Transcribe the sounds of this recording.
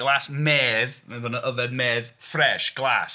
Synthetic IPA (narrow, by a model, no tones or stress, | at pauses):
ɡ̥lˠaːsmɛːðmɛbɔnəʔəvɛdmɛːðfrɛʃɡ̥lˠa̰ːs